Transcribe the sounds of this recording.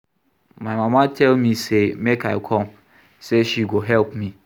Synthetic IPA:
mãɪmãmãtʰɛlmĩsemekaɪkʰɔ̃m | seʃiɡoɦɛlpmĩ

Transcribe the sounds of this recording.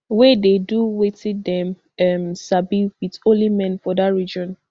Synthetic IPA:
wɛdeduwetidɛ̃m | ɛmsabiwitõlimɛ̃nfɔdatɹid͡ʒɔ̃n

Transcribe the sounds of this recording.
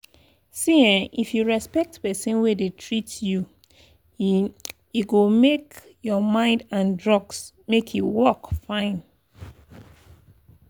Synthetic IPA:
siãnifjuɹɛspɛk̚tpɛsĩnwedetʰɹitju | iɡomek | jɔmãɪ̃ndãndɹɔɡs | mekʰjuwɔkfãɪ̃n

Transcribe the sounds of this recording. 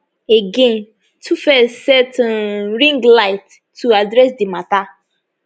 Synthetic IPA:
eɡẽn | tʰufɛsɛtnɾĩŋɡlaɪtː | uadɾɛsdɪmata

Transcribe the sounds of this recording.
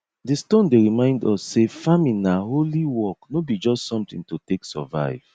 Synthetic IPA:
distõndeɹimãɪ̃ndɔsːefamĩnaɦoliwɔknobid͡ʒɔstsɔ̃mtĩŋtoteksɔ̰va̰ɪv̥

